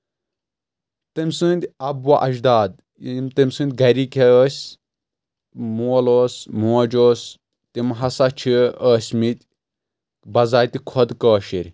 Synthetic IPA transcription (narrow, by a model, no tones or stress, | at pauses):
t̪ɨmʲsɨnʲd̪ʲɐbwaʔɐʃd̪aːd̪̚ | mt̪ɨmʲsɨ̃ːnd̪̚ʲɡɐɾikʲʰeəːsʲ | muɐloːsmuɐd͡ʒoːs | t̪imɦɐsat͡ʃʰiəːsʲmit̪ʲ | bɐzaːt̪ʲikʰɔd̪kəːʃiɾʲ